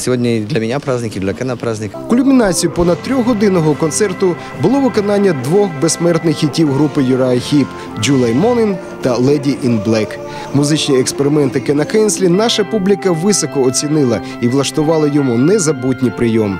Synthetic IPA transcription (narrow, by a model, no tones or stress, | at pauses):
sʲɪʋodʲnʲɐid̪lʲɐmʲɪnʲapɾazʲnʲɪkʲɪd̪lʲɐkɛnɐpɾazʲnʲɪkkʊlʲʊmʲɪnɑt͡sʲijʊpɔnɐdt̪̚t̪ɾʲɔɣɦɔd̪ɪnɔɦɔkɔnt̪sɛrt̪ʊ | bʊlˠɔʋɪkɔnɑnʲːɐd̪ʋɔxbesmɛrt̪nɪxːitʲːiwɦɾupɪjʊɾɐxʲip | d͡ʒulˠɐjmɔnɪn | t̪ɐlˠɛdʲiʔinblˠɛk | mʊzɪt͡ʃnʲiekspeɾɪmɛnt̪ɪkɛnɐkɛnsʲlʲinɑʃɐpublʲikɐʋɪsɔkɔːt͡sʲinɪlˠɐ | iʋlˠɐʃt̪ʊʋɑlˠɐjɔmunɛzɐbut̚ʲnʲipɾɪjɔm